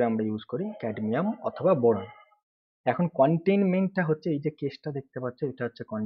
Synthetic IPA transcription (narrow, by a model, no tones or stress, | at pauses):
eamɾajud͡ʑkoɾikɛɖmiamɔ̰t̪ʰobaboɽan | ɛkʰonkɔɳʈejnmeɳʈʈaɦotːɕʰeejd͡ʑekesʈad̪ek̚t̪epatːɕʰoeʈaɦotːɕʰekɔɳ